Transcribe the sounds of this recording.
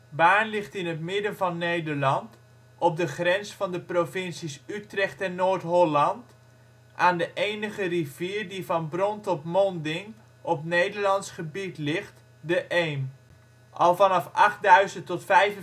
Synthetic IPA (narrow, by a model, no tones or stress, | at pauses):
baːnlɪχtɪnətmɪdənvɑnːejdəɹlɑnt | ɔp̚dəχrɛnsfɑndəprovɪnsisytrɛχtɛnːoːɹtɦɔlɑnt | ʔaːndəʔejnəχəriviːɹdivɑnbrɔntɔpmɔndɪŋ | ʔɔpnejdəɹlɑnsχəbitlɪχt | dəʔejm | ʔɑ̰lˠvɑnɑfɑχtdœɥzəntɔtfɛjv